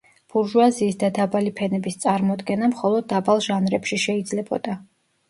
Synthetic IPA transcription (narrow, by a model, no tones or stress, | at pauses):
b̥uɾʒuaziːsd̪ad̪abalipʰɛnɛbist̪sʼaɾmɔd̪ɡɛnamχɔlˠɔd̪̚ːabalˠʒanɾɛpʃiʃɛid̪zlɛbɔ̰d̪a